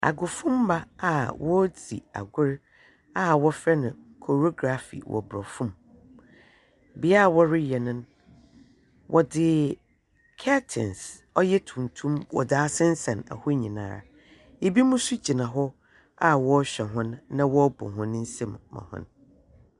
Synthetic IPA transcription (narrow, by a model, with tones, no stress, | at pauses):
a̰˨ɡʊ˨fʊ̃˦m˦ba˦a˨wɔ˦d͡zḭ˨a̰˨ɡʊ˦ɾ | a˦wɔ˦fɾɛ˦nʊ̃˨kʰo˨ɾo˦ɡɾa˨fḭ˨wʔɔ̰˨bɾɔ˨fũ˦m | bɪ˨˦a˦˨wɔ˦ɾɪ˦jɛ˨nʊ̃˦n | wʔɔ˨dɪ˨ | kʰa˦tʰɪ̰̃˨ns | ɔ˦jɛ˦tʰũ˨n˨tʰũ˦mwɔ̰˨da˨a˦sɪ̃˦n̩˦sɛ̃˨na̰˨hʊ˦ɲĩ˨nã̰ː˨ɾa̰˨ | e˨bi˦mũ˦sʊ˦d͡ʑi˨nã˨ɦɔ˦ | a˦wɔ˦ɕᶣɛ˨ɦʊ̃˦nːã˦wɔ˦bʊ̰˨ɦʊ̃˦ñ˦n̩˦sẽ˦˨mːã̰˨hʊ̰̃˦n